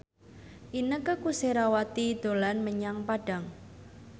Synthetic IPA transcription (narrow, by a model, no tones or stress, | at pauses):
ʔinəkəkuseɾawat̪id̪̥o̤lanməɲaŋpaɖ̥a̤ŋ